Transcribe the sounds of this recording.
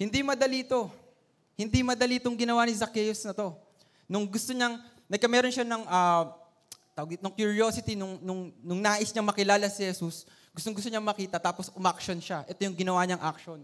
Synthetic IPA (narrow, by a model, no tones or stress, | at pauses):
hɪnd̪imɐd̪ɐliːt̪o̞ | hɪnd̪imɐd̪ɐlit̪oŋɡɪnɐwanizɐkɛjosnɐt̪o̞ | nʊŋɡʊst̪o̞ɲɐŋ | nɐɡ̚kɐmɛːɾo̞nʃanɐŋɐ | t̪anɐŋkjʊɹio̞sɪt̪inʊŋnʊŋnʊŋnaːʔɪsɲɐŋmɐkɪlaːlɐsihɛsus | ɡʊst̪oŋɡʊst̪oɲaɐŋmɐkiːt̪ɐt̪aːpo̞sʊmɐkʃonʃaʔɛt̪o̞jʊŋɡɪnɐwaːɲɐŋʔɐk̚ʃo̞n